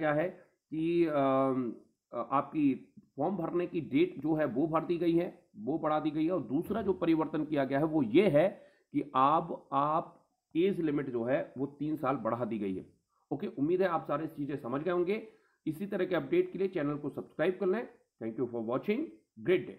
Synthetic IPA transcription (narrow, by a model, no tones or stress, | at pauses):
aɦɛ | ki | aːp̚kifɔːɾmbʱɐɾnekiɖeːʈd͡ʒoːɦɛʋobʱɐɾd̪iɡɐiɦɛ | ʋobɐɽ̤ad̪iːɡɐiɦɛɔːɾd̪uːsɾad͡ʒoːpɐɾɪʋəɾt̪ənkijaɡɐjaɦɛʋojeɦɛ | kiʔaːbaːp̚ | eːzlɪmɪʈd͡ʒoːɦɛʋot̪iːnsaːlbɐɽ̤ad̪iːɡɐḭɦɛ̰ | oːkeʔʊmːiːd̪ɦɛaːpsaːɾeɪst͡ʃiːzẽsɐməd͡ʒʱɡɐeɦõːŋɡeː | ɪsit̪ɐɾəɦkeɐp̚ɖeːʈkeliet͡ʃɛːnəlkosɐbskɾaːɪb̚kɐɾlẽ | t̪ʰɛ̃ːŋkjufɔːɾʋɔːt͡ʃɪ̃ŋɡ | ɡɾeːʈ̚ɖḛː